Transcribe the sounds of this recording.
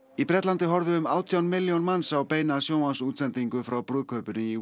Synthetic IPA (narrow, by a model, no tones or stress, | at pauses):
ipɾɛt̪lant̪ɪɦɔɾðʏʏmaːwt̪ʰjawnmɪljownmansawpeːjnasjoːwhansuːt̪sɛnt̪iŋkʏfɾawpɾʏːðkʰœːpʏnɪi